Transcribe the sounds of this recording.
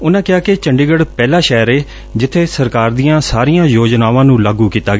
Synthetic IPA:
ʊnãːkɪaːkɪt͡ʃəɳɖiːɡəɽpɛːlaːʃɛːɾeː | d͡ʒɪt̪ʰːeːsəɾkaːɾd̪iːjãːsaːɾijãːjoːd͡ʒnaːʋãːnũːlaːɡuːkiːt̪aːɡ

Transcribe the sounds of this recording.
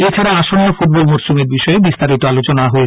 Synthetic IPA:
et͡ɕʰaɾaaʃonːofuʈ̚bolmoɾsumeɾbiʃɔebist̪aɾit̪oalot͡ɕonaɦoe

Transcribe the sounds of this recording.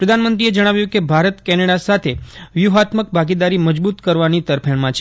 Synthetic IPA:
pɾəd̪ʱanmənt̪ɾied͡ʒəɽ̃aʋjũkebʱaɾət̪kɛneɽasat̪ʰeʋjuɦat̪mək̚bʱaɡid̪aɾiməd͡ʒbut̪kəɾʋanit̪əɾpʰəɳmãt͡ʃʰe

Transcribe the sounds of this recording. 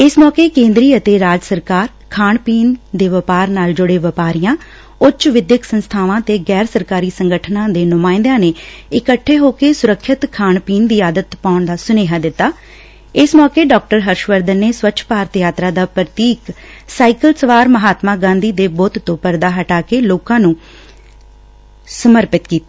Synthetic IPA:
ɪsmɔːkeːkẽːnd̪ɾiːət̪eːɾaːd͡ʒsəɾkaːɾ | kʰaːɳpiːnd̪eːʋəpaːɾnaːld͡ʒʊɽeːʋəpaːɾijãː | ʊt͡ʃʋɪd̪jəksənst̪ʰaːʋãːt̪eːɡɛːɾsəɾkaːɾiːsəŋɡəʈʰnãːd̪eːnʊmaːɪ̃nd̪ãːneːɪkəʈʰːeːɦoːkeːsʊɾəkʰːɪt̪kʰaːɳpiːnd̪iːaːd̪ət̪paːʊɳd̪aːsʊneːɦaːd̪ɪt̪ːaː | ɪsmɔːkeːɖɔːk̚ʈəɾɦəɾʃʋəɾd̪ənːeːsʋəːt͡ʃʰpaːɾt̪jaːt̪ɾaːd̪aːpɾət̪iːksaːikəlsəʋaːɾməɦaːt̪maːɡãːnd̪iːd̪eːboːt̪t̪õːpəɾd̪aːɦəʈaːkeːloːkãːnũː | səməɾpɪt̪kiːt̪aː

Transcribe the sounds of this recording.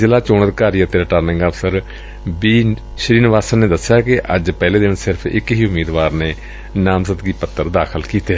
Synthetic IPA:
zɪlaːt͡ʃoːɳət̪kaːɾiːət̪eːɾəʈaːɾnɪ̃ŋɡəbsəɾ | biː | ʃəɾiːnʋaːsənːeːd̪əsːjaːkɪʔəd͡ʒpɛːleːd̪eːʋɪnsɪɾpʰɪ̰kɦiːʊmiːd̪ʋaːɾneː | naːmsət̪ɡiːpət̪ːəɾd̪aːkʰəlkiːt̪eː

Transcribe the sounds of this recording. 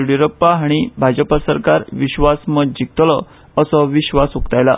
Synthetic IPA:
ɽiɾəpːaɦaɽ̃ibʱad͡ʑəpasəɾkaɾʋiɕʋasməd̪̚d͡ʑik̚t̪lə | əsəʋiɕʋasukt̪ajla̰

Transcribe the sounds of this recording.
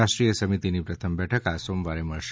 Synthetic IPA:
aʃʈɾijəsəmit̪inipɾət̪ʰəmbɛʈʰəkasomʋaɾeməɭʃ

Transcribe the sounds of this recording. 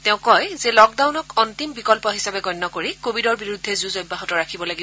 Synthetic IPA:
teʊ̃kɔjzelɔk̚dawnɔkɔntimbikɔlpɔɦisabɛɡɔjnːɔkoɹikobidɔɹbiɹud̪ʱːɛzuzɔjbːaɦɔtɔɹakʰibɔlaɡib

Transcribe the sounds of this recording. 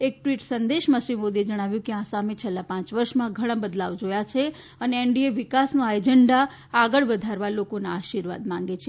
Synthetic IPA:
ek̚ʈʋiʈsənd̪eʃmãʃɾimod̪ied͡ʒəɽ̃aʋjũkeãsamet͡ʃʰelːapãt͡ʃʋəɾʃmãɡʱəɽ̃ãbəd̪laʋd͡ʒojat͡ʃʰe | əneːɳɖieʋikasnoajd͡ʒəɳɖaː | ɡəɭʋəd̪ʱaɾʋalokonaːʃiɾʋa̰d̪mãŋɡet͡ʃʰe

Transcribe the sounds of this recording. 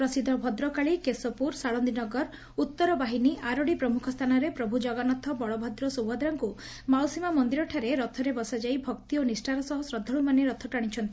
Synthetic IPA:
pɾɔsid̪ʱɔbʱɔd̪ɾɔkaɭikesɔpuɾsaɭɔnd̪inɔɡɔɾ | ut̪ːɔɾɔbaɦiniʔaɾoɽipɾɔmukʰɔst̪ʰanɔɾepɾɔbʱud͡ʒɔɡanɔt̪ʰɔbɔɭɔbʱɔd̪ɾɔsowɦɔd̪ɾɔŋku | mawsimamɔnd̪iɾɔʈʰaɾeɾɔt̪ʰɔɾebɔsad͡ʒajbʱɔkt̪ionisʈʰaɾɔsɔɦɔsɾɔd̪ʱːɔɭumaneɾɔt̪ʰɔʈaɽ̃it͡ʃʰɔnt̪i

